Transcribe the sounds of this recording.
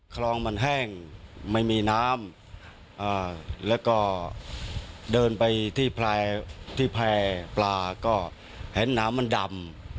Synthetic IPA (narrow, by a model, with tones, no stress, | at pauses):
kʰlɔː˧ŋma˧nɦɛː˥˩ŋma˥˩jmiː˧naː˦˥m | ʔɤː˧˩lɛː˦˥wkɔː˥˩ | dɤː˧npa˧jt̪ʰiː˥˩pʰlɛː˧t̪ʰiː˥˩pʰlɛː˧plaː˧kɔː˥˩ | he˩˦nːaː˦˥mːa˧nda˧m